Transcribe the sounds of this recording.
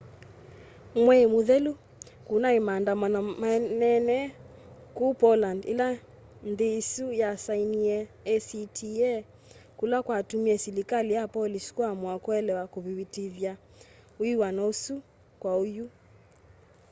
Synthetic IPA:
mwɛmoðɛlu | kunaemandamanamanɛnɛ | kupɔlandḭla | nðeisujasainiɛːsitʰiɛ | kulakwatumiɛsilikalijapɔlisi̥kwamwakwɛlɛwakoβiwitiðja | uiwanaosu | kwaoju

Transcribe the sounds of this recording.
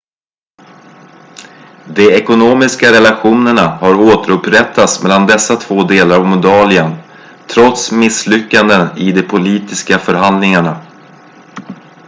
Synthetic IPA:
d̪ɛɛkʊnoːmɪskaɾɛlaɧuːnəɳahaɾoːt̪əɾɵpːɾɛt̪ʰːat̪smɛlːand̪ɛsːat̪ʰv̥oːd̪eːlaɾavmʊd̪ɑːlɪən | t̪ʰɾɔt̪smɪslʏkːand̪ənɪd̪ɛpʰʊliːt̪ɪskafœɾɦand̪lɪŋaɳa

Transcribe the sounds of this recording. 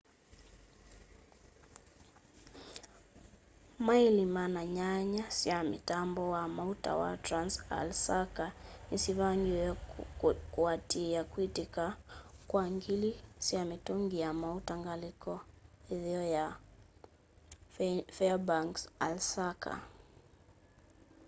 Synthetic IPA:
mailimanaɲaɲasiamḭtambɔwamauta̰wa̰tɾansa̰lsakanisiβaŋɡi | kuatijakwitikakwaŋɡilisiamitɔŋɡiamautaŋɡalikɔiðiɔja | fɛabaŋksa̰lsakʰa̰

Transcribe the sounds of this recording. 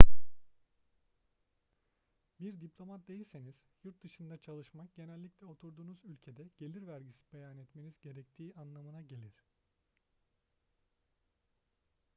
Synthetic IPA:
biɾd̪iplʲo̞mat̪̚d̪ejilʲse̞niz̥juɾt̪̚d̪ɯʃɯnd̪at͡ʃʰalˠɯʃmak̚ɟ̥e̞nɛlʲːiclʲɛo̞t̪ʰuɾd̪uːnuzylʲcʰe̞d̪ɛɟ̥e̞lʲiɾvæɾɟisi̥be̞janɛt̪me̞nizɟe̞ɾɛc̚t̪ʰiːanlˠamɯnaɟe̞lʲiɾ̥

